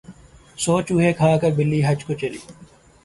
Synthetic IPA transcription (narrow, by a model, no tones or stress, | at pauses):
soːt͡ʃʊɦeːkʰaːkəɾbɪlːiːɦəd͡ʒkoːt͡ʃəlḭː